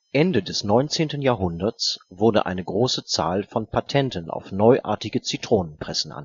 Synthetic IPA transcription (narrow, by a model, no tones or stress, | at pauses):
ʔɛndədɛsnɔʏnt͡seːntən̩jaːɐɦʊndɐt͡sv̥ʊɐdə̰ʔa̰ɪnəɡʁoːsət͡sa̰ːlfɔnpʰatʰɛntəna̰ʊfnɔʏʔa̰ːɐtɪɡət͡sitʁ̥oːnənpʁ̥ɛsn̩ʔa̰n